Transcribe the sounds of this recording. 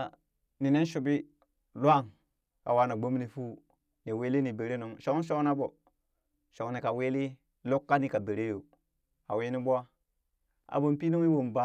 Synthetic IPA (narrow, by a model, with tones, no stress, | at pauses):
ni˨ne˦nʃu˨bi˦ | lʷa˦˨ŋ | ka̰˨wa˦na˨ɡ͡bo˦mni˨fu˦ | ni˨we˦li˦ni˨be˨ɾe˦nu˨ŋʃo˦n˦ʃo˦kna˦bo˨ | ʃo˨ŋ˦ni˨ka˨we˦li˦ | lo˦kːa˦ni˨ka˨be˨ɾe˦jo˨ | a˨we˦ni˦bu˦a˦ | a̰˨bo˦˨mpi˦nu˦ŋi˦wo˨mba˦˨